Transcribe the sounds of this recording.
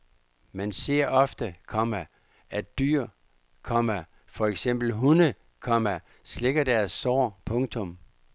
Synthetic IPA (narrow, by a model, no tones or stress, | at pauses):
mænse̝ɐ̰ɒ̽fd̥əkʰɒ̽mæ | ʔæd̥yɐ̰ | kʰɒ̽mɐ | fɒ̽eɡ̥sem̰b̥l̩ɦunə | kʰɒ̽mæ | sle̝ɡ̥ɐd̥æɐsːɒ̰ːpʰɔ̽ŋt͡sʰɔ̽m